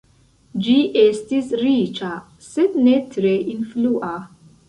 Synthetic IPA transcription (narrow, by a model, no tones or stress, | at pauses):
d͡ʒiʔestisɾit͡ʃa | sednetʰɾeʔinfluʔa